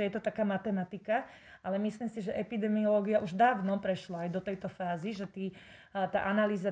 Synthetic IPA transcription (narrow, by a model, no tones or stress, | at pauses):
ɛjɛt̪ɔt̪akaːmat̪ɛmat̪ika | alɛmisliːmsiʒɛʔɛpid̪ɛmiɔlɔːɡiaʔuʒd̪aːʊnɔpɾɛʃlaajd̪ɔt̪ɛjt̪ɔfaːziʒɛt̪iː | t̪a̰ːʔanaliːza